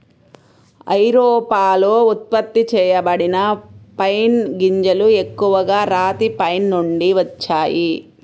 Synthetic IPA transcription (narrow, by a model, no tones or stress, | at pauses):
ɐ̰jɾoːpaːloːut̪̚pɐt̪ːit͡ʃɛːjɐbɐɽinɐpɐjnɡiɲd͡ʒɐlue̞kːuʋɐɡaːɾaːt̪ipɐjnːuɳɖiʋɐt͡ʃːaːji